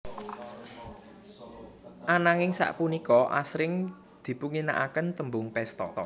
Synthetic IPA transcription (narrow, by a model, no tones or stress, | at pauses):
ʔanaŋɪŋsa̰ʔpunikɔʔa̰sɾɪŋ | d̪̥i̤puŋina̰ʔakənt̪əmbʊŋpɛst̪ɔ̰